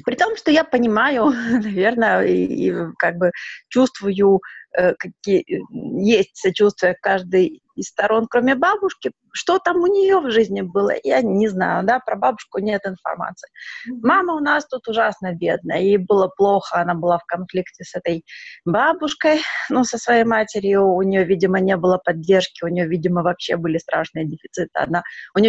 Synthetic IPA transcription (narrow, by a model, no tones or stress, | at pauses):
pɾʲɪt̪o̞mʂt̪o̞japənʲɪmajʊnɐvʲe̞rnəḭḭkaɡ̚bɨt͡ɕust̪vʊjʊəkɐkʲi | jesʲtʲsɐt͡ɕust̪vʊjəkaʐd̪ɨj | ɪsst̪ɐɾʔo̞nkɾomʲɪbabʊʂkʲɪ | ʂt̪o̞t̪amʊnʲɪjo̞vʐɨzʲnʲɪbɨlˠə̰janʲɪzna̰jʊd̪apɾɐbabʊʂkʊnʲe̞t̪ɪnfɐ̰rma̰t̪sɨ̥ɪmaməʊnast̪ut̪ʊʐasnəbʲe̞d̪̚nə̰jəɪbɨlˠəplˠo̞xəɐnabɨlˠafkɐnflʲiktʲɪsɛt̪əjbabʊʂkəjnusəsvɐjejmatʲɪɾʲjʊːnʲɪjovʲidʲɪmənʲe̞bɨlˠəpɐdʲːerʂkʲɪʊnʲɪjovʲidʲɪməvɐpɕːe̞bɨlʲɪst̪ɾʔa̰ʂnɨjədʲɪfʲɪt̪sɨt̪ɨɐ̰naʊnʲɪj